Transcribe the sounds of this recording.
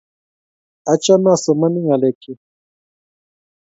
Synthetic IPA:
a˨t͡ʃa˦na˦˨sɔ˨ma˦ni˦ŋa˨lɛ˨kʰi˨

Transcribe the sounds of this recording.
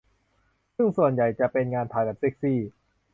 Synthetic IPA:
sɯ˥˩ŋsu˨˩ənja˨˩jt͡ɕa˨˩ʔpe˧nŋaː˧nt̪ʰaː˧jbɛː˨˩p̚se˦˥˩k̚siː˥˩

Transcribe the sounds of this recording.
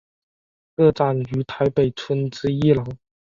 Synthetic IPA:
kɤ˥˧ʈ͡ʂa˥˩ny˧˥t̪ʰa˧˥ɪpe˨˩ɪt͡sʰwə˥nʈ͡ʂɹ̩˥i˥˩lɑ˨˧˥ŋ

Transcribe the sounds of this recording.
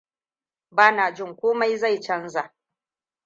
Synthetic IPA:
baː˦naː˨d͡ʒɪ˦˨ŋkʷoː˦ma˦jza˦˨jt͡ʃɐ˦nza˨ʔ

